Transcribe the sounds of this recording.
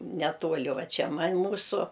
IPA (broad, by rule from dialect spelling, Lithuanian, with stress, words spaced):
nʲɛˈtuɔlʲɪ ˈʋɐ ˈt͡ʃʲɛ ˈmɐnʲ ˈmuːsʊ